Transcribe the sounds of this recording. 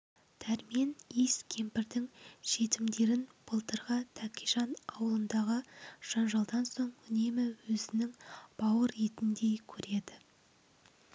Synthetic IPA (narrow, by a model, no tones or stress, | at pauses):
t̪ʰæɾmijeniskʲʰe̞mpɪɾd̪ɪŋʃe̞t̪ɪmd̪e̞ɾɪnb̥əlˠt̪əɾʁɑt̪ʰækʲijʒɑnɑwəlˠənd̪ɑʁəʒ̥ɑnʒɑlˠd̪ɑnso̞ɴʏne̞mɪwɵzɪnɪŋb̥ɑwəɾe̞t̪ɪnd̪e̞jkʲʰɵɾe̞d̪ɪ